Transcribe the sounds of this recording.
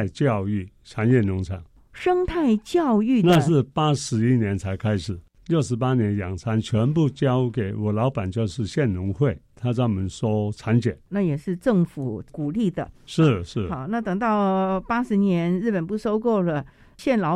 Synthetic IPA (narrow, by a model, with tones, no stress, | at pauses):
ɪt͡ɕjɑ˥˧ʊy˥˩t͡sʰa˧˥njɛ˥˩nʊ˧˥ŋt͡sʰa˧˥˦ŋ | ʂɤ˥ŋt̪ʰa˥˧ɪt͡ɕjɑ˥˧ʊy˥˩na˥˧ʂ̬ɻ̩˥˩pa˥ʂɻ̩˧˥i˥njɛ˧˥nt͡sʰa˧˥ɪkʰa˥ɪʂɻ̩˨˩ | ljo˥˩ʊʂɻ̩˧˥pa˥njɛ˧˥njɑ˨˩ŋt͡sʰa˧˥nt͡ɕʰɥɛ˧˥npu˥˩t͡ɕjɑ˥ʊke˨˩ɪwɔ˨˩lɑ˧˥ʊpa˨˩nt͡ɕjo˥˧ʊʂɻ̩˥˧ɕjɛ˥˩nnʊ˧˥ŋxwe˥˩ɪt̪ʰa˥t͡sɑ˥˩mə˧˥nswɔ˥t͡sʰa˧˥nt͡ɕjɛ˨˩˦nna˥˩jɛ˨˩ʂɻ̩˥˧ʈ͡ʂɤ˥˩ŋfu˨˩ku˨˩li˥˩d̪ə̰˩ʂɻ̩˥˩ʂɻ̩˥˩xɑ˨˩˦ʊna˥˩t̪ɤ˨˩ŋt̪ɑ˥˩ʊpa˥ʂɻ̩˧˥njɛ˧˥nɻɻ̩˥˩pə˨˩npu˥˩ʂo˥ʊkwɔ˥˩lə˩ | ɕjɛ˥˩nlɑ˧˥